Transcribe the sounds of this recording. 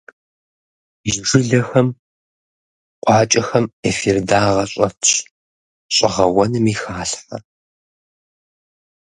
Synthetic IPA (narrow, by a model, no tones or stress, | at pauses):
ʒʒɨɮɐxɐm | qʷʼɑːt͡ʃʼɐxɐmefirdaːʁɐɕʼɐtʰɕ | ɕʼɪʁɐwɐnɨmiːxaːɬħɐ̰